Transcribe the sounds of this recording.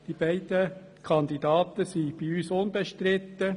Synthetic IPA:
d̥iːb̥æɪdə | kʰɑnd̪idɑːt̪əsiːb̥iyːsʊnbɛʃtɾɪt̪ə

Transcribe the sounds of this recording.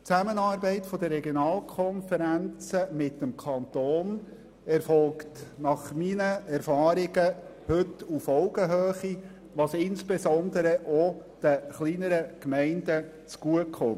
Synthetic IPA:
t͡sæmənɑːɾbɛɪtfɔd̪ərɛɡjonɑːlkʰχɔnfəɾænt͡səmɪtːəmkʰχɑnt̪oːn | ɛɾfɔlktnɑχminəɛɾfɑːɾɪɡə | hɵtufɔʊɡəɦøːχi | ʋɑsɪnsb̥ezɔnd̪əɾəʔo | d̥əχliːnəɾəkmɛɪndə | t͡sɡ̥uəkʰχʊn

